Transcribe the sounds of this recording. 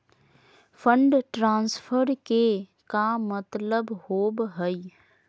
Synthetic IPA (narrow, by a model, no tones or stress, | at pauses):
fʰə̃ɳɖʈɾãːnspʰəɾke | kamət̪ləbhoːbɦəi